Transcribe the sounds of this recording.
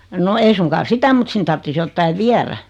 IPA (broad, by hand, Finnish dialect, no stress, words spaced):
no ei suŋkɑːn̞ sitæ mut sin tɑrtːis jotːɑi ʋiæræ